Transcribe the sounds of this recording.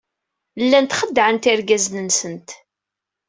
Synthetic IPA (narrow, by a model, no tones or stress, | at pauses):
lːænt̪χəd̪ːʕənt̪ɪɾɡæznənsənt̪